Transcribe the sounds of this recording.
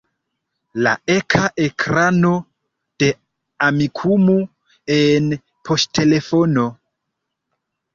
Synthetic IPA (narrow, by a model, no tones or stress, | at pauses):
la̰ekʰaʔe̞kɾano̞ | d̥e̞ | amikʰumu | en | pʰo̞sttʰe̞le̞fo̞no̞